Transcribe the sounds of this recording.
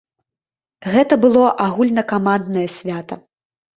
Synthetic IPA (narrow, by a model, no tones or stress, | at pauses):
ɣɛt̪ɐbɨlˠɔʔaɣulʲnɐkamand̪nɐjɐsʲvʲat̪ɐ